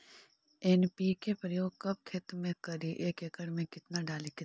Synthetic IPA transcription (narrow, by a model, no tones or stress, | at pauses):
enpikepɾəjoːɡ̚kɐb̚kʰɪt̪mẽkɐɾiʔeːkekəɽmẽkɪt̪naɖaːlikɪt̪